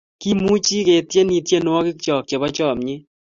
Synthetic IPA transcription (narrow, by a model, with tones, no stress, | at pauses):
ki˦mu˦t͡ʃi˦ke˨tje˦ni˨tje˦nwɔ˦kɪ˦kt͡ʃɔ˨k̚t͡ʃe˨bɔ˦t͡ʃɔ˦˨mɲɪ˦